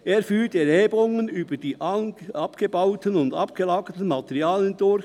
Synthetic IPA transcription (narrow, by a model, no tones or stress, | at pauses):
ʔeːɾfyːtɛɾheːbəʊŋənyːbəd̥iːʔɑpɡ̥əbɑʊtənʊndɑ̰pɡ̥əlɑːɡətən̩mɑtɛʁiɑːləndʊɾç